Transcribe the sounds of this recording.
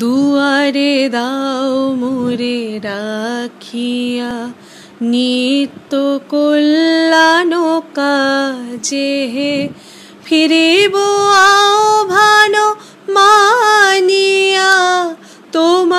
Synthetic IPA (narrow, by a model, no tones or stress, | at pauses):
d̪uaɾed̪a | moɾeɾakʰija | nit̪ːokolːanoka | t͡ʃeɦe | pʰiɾeboaobʱano | ma | nija | t̪om